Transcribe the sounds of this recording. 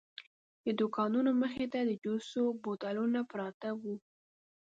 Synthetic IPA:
d̪əd̪ʊkɑnunoməxet̪ad̪əd͡ʒosobot̪alunapɾɑt̪awu

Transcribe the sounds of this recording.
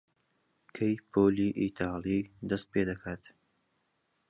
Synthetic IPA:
kʰejpʰoːliːʔit̪ʰɑːlˠiːd̪ɐst̪̚peːd̪ɐkʰaːt̪

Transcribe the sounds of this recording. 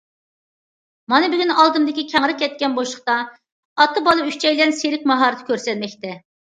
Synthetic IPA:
mɑnɨbɪɡʲynɑlˠd̪ɨmd̪ɪkʲikʲʰɛŋɾɪkʲʰːɛt̪̚kʲɛnbolˠʃəqt̪ɑ | ɑt̪ːɨbɑlˠɨykʲt͡ʃʰɛjlɛnseɾɪkʲmɑɦɑɾɨt̪ʰɪ̥kʲʰøɾsɛt̪mɛkʲt̪ɛ

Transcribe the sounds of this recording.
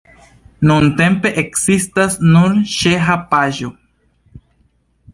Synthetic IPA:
nunt̪e̞mpe̞ʔeksist̪asnuɾʃeɦapaʒo

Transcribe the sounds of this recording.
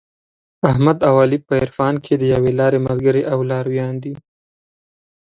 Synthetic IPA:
aɦmad̪awɑːlipəɪɾfɑːnkʰed̪əjawelɑːɾemalɡəɾeʔawlɑːɾwjɑnd̪i

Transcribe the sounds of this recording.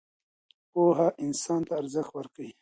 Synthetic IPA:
poːɦaʔɪnsɑːnt̪aːɾzəxt̪wəɾkai

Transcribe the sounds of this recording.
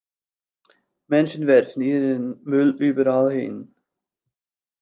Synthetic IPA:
mɛnʃənvɛɾdn̩iːɾənmʏlyːbəɾalhɪ̰n

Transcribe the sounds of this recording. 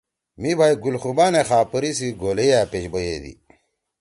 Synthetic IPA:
mibʱaːiɡulxubaːnexaːpəɾisiɡoːlejaːpeɕbɐjed̪ḭ

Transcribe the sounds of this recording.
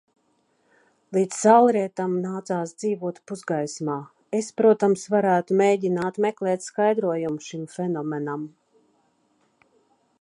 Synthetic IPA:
lˠiːd̪zsalˠɾiɛt̪amnaːt̪saːsd̪z̥iːvuɔt̪puzɡajsmaː | espɾuɔt̪amsvaɾæːt̪umeːjɟinaːt̪meklˠɛːt̪skajd̪ɾuɔjumʃimfenɔmenam

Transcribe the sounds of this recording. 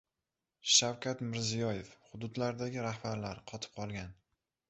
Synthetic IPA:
ʃawkʲat̪mɪɾzijɒjefhʊd̪ʊd̪laɾd̪aɡʲɪɾahbaɾlaɾqʰɒt̪ʰɪ̥p̚qʰɒlˠɡʲan

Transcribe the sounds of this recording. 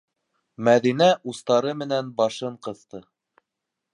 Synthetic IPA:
mæðinæʔust̪ɑɾɤmɘ̆nænbɑʃɤɴqɤ̆θt̪ɤ

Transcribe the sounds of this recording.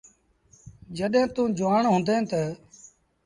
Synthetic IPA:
d͡ʒəɗẽːt̪ũːd͡ʒʊʋaːɳɦʊ̃ːnd̪ẽːt̪əː

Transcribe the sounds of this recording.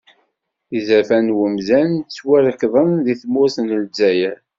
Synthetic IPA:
izæfænwəmzænt͡sːwæɾəkðˤənðiθmʊsnəld͡zæjə

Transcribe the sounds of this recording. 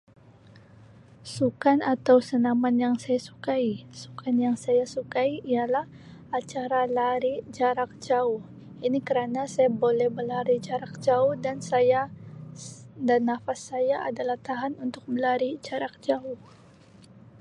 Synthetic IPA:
sukanat̪awsənamanjaŋsajasu̥kaisu̥kanjaŋsajasukaiialah | at͡ʃaɾalaɾid͡ʒaɾak̚d͡ʒaʊh | inikəɾanasajabolɛhbəlaɾid͡ʒaɾak̚d͡ʒaʊhdansaja | danːafasːajaʔadalaht̪aɦanunt̪ʊk̚məlaɾid͡ʒaɾak̚d͡ʒaʊh

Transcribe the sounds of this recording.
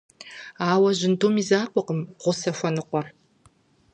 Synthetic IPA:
aːwɐʑɪndoːmizaːqʷʼɔqəmʁʷʊsɐfʷɔnɨqʷɔr

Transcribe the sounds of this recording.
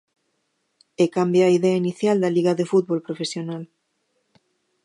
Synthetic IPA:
ekambjaaiðeainiθjald̪aliɣaðefut̪̚βolpɾofesjonal

